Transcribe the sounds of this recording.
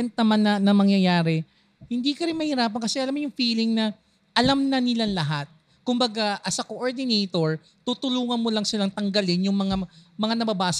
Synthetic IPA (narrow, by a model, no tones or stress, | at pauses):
ɛnt̪̚nɐmanːɐnɐmɐŋjɐjaːɾɛ | hɪnd̪ikɐɾɪnmɐhɪɾaːp̬ɐnkɐsɛʔɐlamːojʊŋfiːlɪŋnɐ | ʔɐlamnɐnɪlanlɐɦat̪̚ | kʊmbɐɡaʔɐsɐkoʔoɹd̪ɪnɛjt̪o̞ɹ | t̪ut̪ʊluːŋɐnmolɐŋsɪlaŋt̪ɐŋɡɐlɪnjʊŋmɐŋamɐŋanɐbɐbaːs